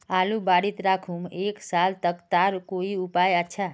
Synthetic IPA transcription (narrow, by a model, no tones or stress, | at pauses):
alubaɽit̪ɾakʰumeksalt̪əkt̪aɾkoiupajətːʃʰa